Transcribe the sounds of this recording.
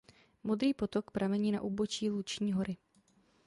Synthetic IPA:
mod̪ɾiːpo̞t̪okpɾamɛɲiːna̰ʔuːbot͡ʃiːlut͡ʃɲiːɦo̞ɾɪ

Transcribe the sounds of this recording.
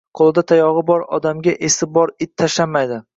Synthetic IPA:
qʰolˠɪd̪at̪ʰajɒʁɨbɒɾɒ̰d̪amɡʲaʔesɪbɒɾɪt̪ʰːaʃlamːajd̪ɪ

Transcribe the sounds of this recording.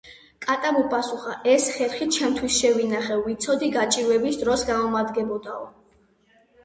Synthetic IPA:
kʼat̪ʼamupʼasuχaʔɛsχɛɾχit͡ʃʰɛmt̪ʰwisʃɛvinaχɛːit̪sʰɔd̪iɡat͡ʃʼiɾwɛbisd̪ɾɔsɡamɔmad̪ɡɛbɔd̪aɔ

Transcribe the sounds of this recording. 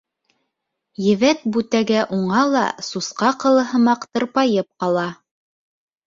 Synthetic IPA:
jɘ̆βæt̪̚bʉt̪æɡæʔuɴɑlˠɑ̰susqɑqɤ̆lˠɤ̆ɦɤ̆mɑqt̪ɤ̆ɾpɑjɤp̚qɑlˠɑ

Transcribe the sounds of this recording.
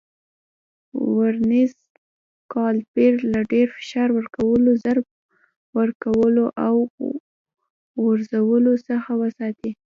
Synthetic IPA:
waɾniz | kɑlpeɾlaɖeɾfɪ̥ʃɑɾwəɾkawəlozaɾb̚ | wəɾkawəloʔaw | ɣəɾzawəlosəxawəsɑt̪i

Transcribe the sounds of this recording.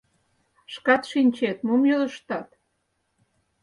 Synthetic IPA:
ʃkɑt̪ʃinʲt͡ɕet̪momjøləʃt̪ɑt̪

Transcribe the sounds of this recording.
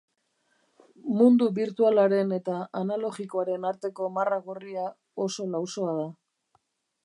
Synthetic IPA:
mund̪uβiɾt̪ualaɾe̞ne̞t̪aanalo̞ɣiko̞aɾe̞naɾt̪e̞ko̞maraɣoria | o̞so̞lawso̞að̞a

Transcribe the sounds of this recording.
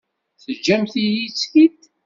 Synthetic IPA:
θəd͡ʒːæmθijit͡sːkit̪

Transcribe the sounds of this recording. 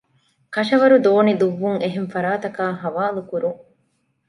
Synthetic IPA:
kɐʃɐʋɐɾud̪oːnid̪uʋːuŋeɦeɱfɐɾaːt̪ɐkaːɦɐʋaːlukuɾuŋ

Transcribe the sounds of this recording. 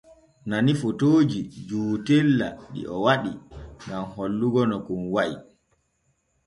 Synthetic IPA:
nanifotoːd͡ʒid͡ʒuːtelːaɗḭʔɔwaɗiŋɡamholːuɡɔnɔkumwaj

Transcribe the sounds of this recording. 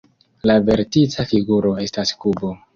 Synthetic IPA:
lave̞ɾtit͡safiɡuɾo̞e̞staskubo̞

